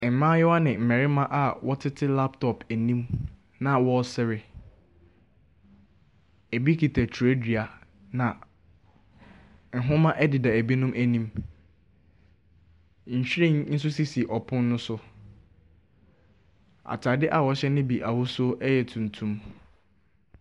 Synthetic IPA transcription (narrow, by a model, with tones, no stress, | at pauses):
m̩˨mãː˦jɛ˦wa˦nɪ̃˨m̩˨mɛ˨ɾɪ˦mã˦ʔa˨wɔ˦tʰɪ˦tʰɪ˦la˦ptʰɔ˨pʰæ˨nĩ˦m | nã˨wɔ˦sɛ˦ɾɪ˦ | æ˨bi˦kʰi˨tʰæ˨tʰu˨e˦di˨a˨ | nã˨ | ŋ̩˨ɦʊ̃˦mã˦ʔɛ˦dɪ˨da˨æ˨bi˦nʊ̃˦mʔæ˨nĩ˦m | ɲ̩˨ɕᶣɾẽ˦˨n̩˦s̬ʊ˦si˦si˨ʔɔ˨pʰʊ̃˦nː˦ʊ̃˦sʊ˦ | a̰˨tʰa˨dɪ˦ʔa˨wɔ˨˦ɕɛ˦nɪ̃˦bi˨ʔa˨wʊ˦sʊ˦ɛ˦jɛ˨tʰũ˨n˨tʰũ˦m